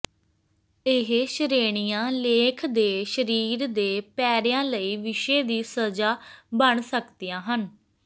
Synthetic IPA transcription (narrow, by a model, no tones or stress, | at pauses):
ɪɦʃəɾeːɽ̃ijãːleːkʰd̪eːʃəɾiːɾd̪eːpɛːɾjãːləiːʋɪʃeːd̪iːsəd͡ʒaːbəɳsəkd̪ijãːɦən